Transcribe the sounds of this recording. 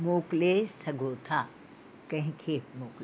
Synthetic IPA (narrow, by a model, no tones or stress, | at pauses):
moːklesɐɡʱoːt̪ʰaː | kɐ̃ɦɪ̃kʰemoːkl